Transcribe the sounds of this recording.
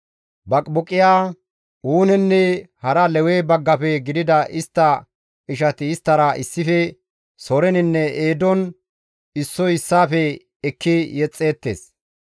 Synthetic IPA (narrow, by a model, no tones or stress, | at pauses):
bɐkʼbɔkʼːɪjaː | uːnɛnːɛhɐɾɐlɛweːbɐɡːɐfɛɡɪd̪ɪd̪ɐʔɪst̪ːɐ | ɪʃɐt̪ɪːst̪ːɐɾɐɪsːɪfɛ | sɔɾɛnɪnːɛeːd̪ɔn | ɪsːɔɪsːaːfɛ | ɛkːɪjɛt͡sʼːe̞ːt̪ːḛːs